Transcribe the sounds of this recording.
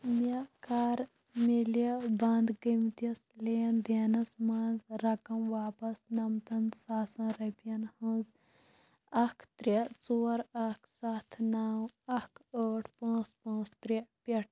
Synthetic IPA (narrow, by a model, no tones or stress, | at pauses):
mɐkaːɾ | milɐbɐnd̪ɡimt̪ɐsleːnd̪eːnɐsmaːzɾɐkɐmʋaːpɐsnɐmt̪ɐnsaːsɐ̃ːɾɐpjɐnhɐ̃z | ɐkʰt̪ɾit͡soːɾɐkʰsat̪ʰnaːwɐkʰəːʈʰpãːt͡spãːt͡st̪ɾipʲɐʈ̚ʰ